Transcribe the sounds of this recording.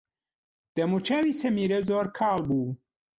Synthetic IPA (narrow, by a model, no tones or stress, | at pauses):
d̪̥ɐmut͡ʃawisɐmiːɾɐzoːɾkʰaːlbuː